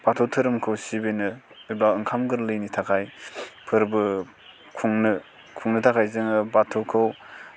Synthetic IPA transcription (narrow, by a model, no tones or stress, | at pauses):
b̥atʰotʰɯɾɯmkʰɯwsibenɯ | iblawɯŋkʰamɡɯɾlɯjnitʰakʰajpʰɯɾbɯ | kʰuŋnɯ | kʰuŋnɯtʰakʰajzɯŋɯbatʰokʰɯw